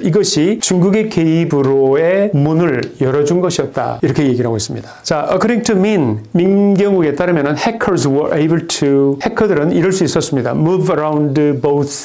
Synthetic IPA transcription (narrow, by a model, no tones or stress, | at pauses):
iɡʌɕʰit͡ɕuŋɡuɡe̞keibɯɾoe̞munɯɭjʌɾʌd͡ʑunɡʌɕʰiʌt̚t͈a̰iɾʌkʰe̞je̞ɡiɾɦaɡoes͈ɯmɲidḁt͡ɕaʔʌkʰɯɾiŋtʰuminminɡjʌŋɡuɡe̞t͈aɾɯmjʌnɯnhekʰʌɾswʌɾʔebɯɭtʰuhe̞kʰʌdɯɾɯniɾʌɭs͈uis͈ʌs͈ɯmɲida̰muvaɾawndboθʰ